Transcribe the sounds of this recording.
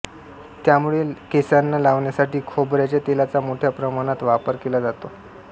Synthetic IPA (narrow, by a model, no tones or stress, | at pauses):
t̪jamuɭekesanːalaʋɳjasaʈiːkʰobɾjat͡ɕjat̪elat͡samoʈʰjapɾəmaɽ̃at̪ʋapəɾkelad͡zat̪o